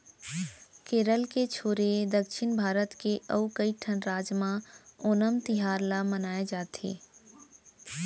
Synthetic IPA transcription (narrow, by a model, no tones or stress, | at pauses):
keːɾəlket͡ʃʰoːɾed̪əkʃɪnbʱaːɾət̪keʔəukəiʈʰənɾaːd͡ʒmãoːnəmt̪ɪɦaːɾlamənaːed͡ʒaːt̪ʰḛː